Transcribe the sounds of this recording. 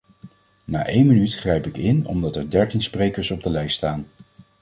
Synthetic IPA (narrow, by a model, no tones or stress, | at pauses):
na̰ːʔejnmənytχrejpɪkɪnɔ̰mdɑtɛɹdɛɹtinsprejkəɹsɔb̚dəlɛjststaːn